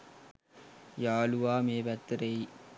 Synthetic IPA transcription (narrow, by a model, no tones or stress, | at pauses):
jaːluʋaːmeːbɐt̪ːɾɐj